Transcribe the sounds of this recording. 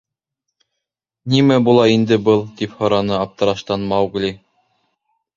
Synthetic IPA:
nimæbulˠɑind̪ɘbɤlˠt̪iphɤ̆ɾɑnɤɑp̚t̪ɤ̆ɾɑʃt̪ɑnmɑwɡlʲi

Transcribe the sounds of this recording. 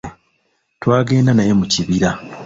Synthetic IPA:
twaːɡe̞ːndanaje̞muciβiɾa

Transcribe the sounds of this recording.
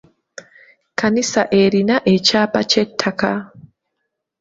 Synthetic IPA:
kanisaʔeɾinaʔet͡ʃapat͡ʃɛtʰːaka

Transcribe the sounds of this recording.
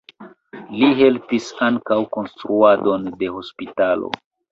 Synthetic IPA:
liɦe̞lpisaŋkawko̞nstɾuado̞nde̞ho̞spitalo̰

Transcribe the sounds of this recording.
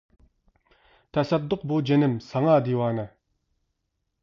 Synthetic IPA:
t̪ʰasap̚d̪oχbod͡ʑənəmsʰaŋad̪iwanə

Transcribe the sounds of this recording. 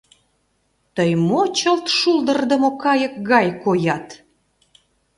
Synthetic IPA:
t̪əjmot͡ɕəlt̪ʃuld̪ərd̪əmokɑjək̚ɣɑjkojɑt̪

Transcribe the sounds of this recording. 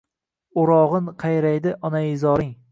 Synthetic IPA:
ʊɾɒʁɨnqʰɑjɾajd̪ɪʔɒnaɪzɒɾɪŋ

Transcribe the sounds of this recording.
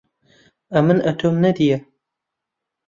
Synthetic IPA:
ɐmɨnʔɐt̪ʰoːmnɐd̪ijɐ

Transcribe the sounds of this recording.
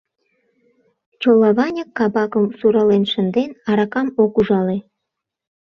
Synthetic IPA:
t͡ɕolɑβɑnʲəkːɑbɑkəmsuɾɑlenʃə̆nd̪enɑɾɑkɑmokuʒɑle

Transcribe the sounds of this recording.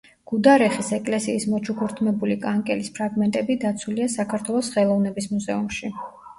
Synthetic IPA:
ɡ̥ud̪aɾɛχisɛkʼlɛsiːsmɔt͡ʃʰukʰuɾt̪ʰmɛbulikʼaŋkʼɛlispʰɾaɡmɛnt̪ʼɛbid̪at̪sʰuliasakʰaɾt̪ʰwɛlˠɔsχɛlˠɔvnɛbismuzɛumʃi

